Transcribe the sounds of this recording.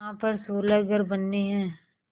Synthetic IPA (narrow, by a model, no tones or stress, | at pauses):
ãpɐɾsoːləɡəɾbɐnːiɦɛ̃ː